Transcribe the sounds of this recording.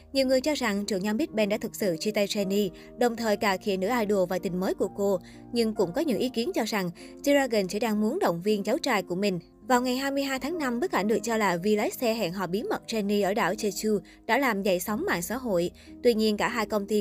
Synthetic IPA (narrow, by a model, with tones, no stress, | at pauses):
ɲi˨˩əwŋɨ˨˩əjt͡ɕɔ˧za˨˩ŋt͡ɕɨ˨˩əŋɲa˧mɓi˦˥t̚ɓɛ˧nɗa̰ː˧˥t̪ɨ˨˩k̚sɨ̰˧˨t͡ɕi˧t̪a˧jt͡ɕɛ˧ni˧ | ɗə˨˩wŋ͡mt̪ʰəː˨˩jkaː˧˩xḭ˧˩ənɨ̰˧˥ʔaː˧jɗo˨˩əvaː˨˩t̪ï˨˩ŋ̟məː˨˦jku˧˩əko˧ | ɲɨ˧ŋkʊ̰˧˥ŋ͡mkɔ˨˦ɲɨ̰˧˥ŋʔi˨˦ki˨˦ənt͡ɕɔ˧za˨˩ŋ | zi˧zaː˧ɣə˨˩nsɛ̰˧˥ɗaː˧ŋmu˨˦ənɗə̰˧˨wŋ͡mvi˧ənza˨˦wt͡ɕaː˧jku˧˩əmï˨˩ŋ̟ | vaː˨˩wŋa˨˩jɦaː˧jmɨ˧əjɦaː˧jt̪ʰaː˨˦ŋna˧mɓə˦˥k̚ka˧˩nɗɨ˨˩ək̚t͡ɕɔ˧laː˨˩vi˧la˨˦j̚sɛ˧ɦɛ̰˧˨nɦɔ̰˧˨˩ɓi˨˦əmə˨˩t̚t͡ɕɛ˧ni˧ʔəː˧˩ɗa̰ː˧˩wt͡ɕə˧t͡ɕu˧ | ɗa̰ː˧˥laː˨˩mzə̰˧˩˨jsa˨˦wŋ͡mɓa̰ː˧˨nsa̰ː˧˥ɦo̰˧˨j | t̪wi˧ɲi˧ənkaː˧˩ɦaː˧jkə˧wŋ͡mt̪i˧